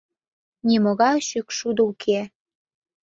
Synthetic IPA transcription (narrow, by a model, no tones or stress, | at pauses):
nʲiməɣɑjʃykʃud̪əukʰe